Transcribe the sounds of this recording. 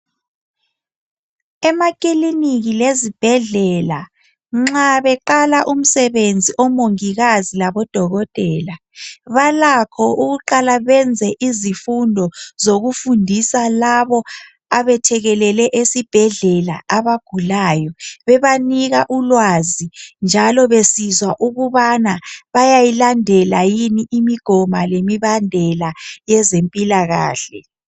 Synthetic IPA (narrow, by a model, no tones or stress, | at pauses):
ɛmakʼiliniɣilezib̥ʱɛɮɛla | ŋ͡ǁaβɛǃalaʔum̩sɛβend͡zʱiʔɔmoŋiɣazilaβɔd̥ʱɔɣɔtʼɛːla | βalakʰɔʔuɣuǃalaβɛnd͡zʱɛʔizifundʱɔzoɣufundʱisalaβɔ | aβɛtʰɛɣɛlɛlɛʔesib̥ʱɛɮɛla̰aβaɡ̥ʱulaːjɔβɛβaniɣaʔulwazind͡ʒʱalɔβesizwaʔuɣuβanaβajajilandʱɛlajiniʔimiɡ̥ʱɔmalemiβandʱɛlajɛzempʼilaɣa̰ːɬɛ̰